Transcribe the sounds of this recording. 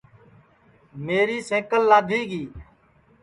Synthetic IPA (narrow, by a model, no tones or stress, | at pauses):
meːɾiːsẽːkəlːaːd̪ʱiːɡiː